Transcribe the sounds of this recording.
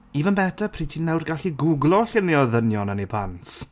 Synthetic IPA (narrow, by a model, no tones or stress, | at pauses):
ivanbɛdapʰriːtʰinːɛwrɡaɬiɡʊɡlˠɔɬɪniɔðənjɔnanipʰans